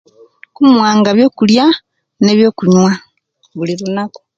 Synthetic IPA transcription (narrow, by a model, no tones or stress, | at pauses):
kumwaːŋɡaβjo̞ːkulja | ne̞ːβjo̞ːkuɲwa | βulilunako̥